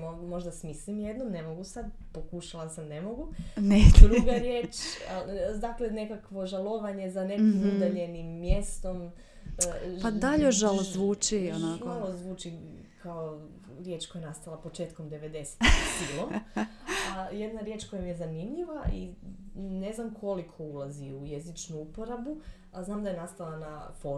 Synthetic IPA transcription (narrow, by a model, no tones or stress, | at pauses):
omo̞ʒd̪asmislimjed̪nomnemo̞ɡusad̪po̞kuʃalˠasamne̞mo̞ɡuned̪ɾuɡaɾje̞ːt͡ʃ | d̪aklene̞kakʋo̞ʒalˠoʋaɲe̞zanekimud̪aʎe̞nimːje̞st̪o̞m | pad̪aʎoʃʒalˠozʋuːt͡ʃionamalˠozʋuːt͡ʃi | kʰao | ɾje̞ːt͡ʃkojajenast̪alˠapo̞t͡ʃeːt̪ko̞md̪eʋe̞d̪e̞se̥t̪silˠo | aje̞d̪naɾje̞ːt͡ʃko̞jamijezanimʎiʋaʔi | ne̞znamkʰo̞likʰo̞ulˠaziujezit͡ʃnuupoɾabu | aznaːmd̪ajenast̪alˠanafo